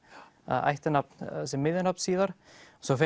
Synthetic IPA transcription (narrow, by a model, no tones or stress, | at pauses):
a̰ða̰jht̪ɪnap̚nasɛmːɪðɪnapnsiːðaɾ̥ | sɔfɛ